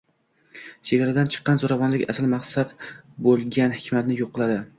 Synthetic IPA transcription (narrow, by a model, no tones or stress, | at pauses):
t͡ʃʰeɡʲaɾad̪ant͡ʃʰɨ̥qːɑnzoɾavɒnlɪkʲa̰slmaqsad̪bolˠɡʲanhɪkʲʰmat̪nɪjoqːɨlˠad̪ɪ